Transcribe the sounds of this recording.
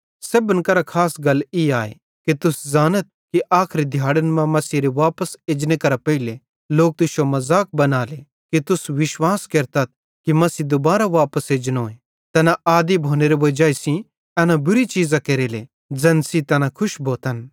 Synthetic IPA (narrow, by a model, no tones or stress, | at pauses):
seːbənkɐɾakʰaːsɡɐliaːḛ | kit̪ʊszaːnət̪̚kiʔaːkʰɾid̪ʱjaːɽənmãmɐsiɾeʋaːpəseːd͡ʒnekɐɾapɐile | loːk̚t̪ʊʃomɐzaːk̚bɐnaːle | kit̪ʊsʋɪʃwaːskɐɾt̪ɐt̪̚ | kimɐsid̪obaːɾaʋaːpəseːd͡ʒnoːe | t̪ɛnaʔaːd̪ibʱoːneɾeʋɐd͡ʒaːisĩ | ɛːnabʊɾit͡ʃiːzãkeːɾeːle | d͡zɐ̃nsit̪ɛnakʰʊʃbʱoːt̪ən